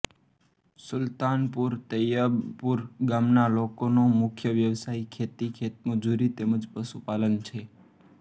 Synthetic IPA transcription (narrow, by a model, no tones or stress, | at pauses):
sʊlt̪anpuɾt̪əjapuɾɡamnalokonomʊkʰjəʋjəʋsaikʰet̪ikʰet̪̚məd͡ʒuɾit̪eməd͡ʒpəʃupalənt͡ʃʰe